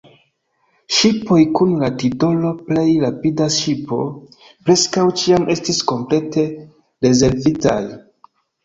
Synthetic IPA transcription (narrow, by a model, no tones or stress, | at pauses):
ʃipo̞jkunlatido̞lo̞ple̞jɾapidaʃipo̞̰ | pɾe̞skawt͡ʃiame̞stisko̞mple̞te̞ | ɾe̞ze̞ɾvita̰j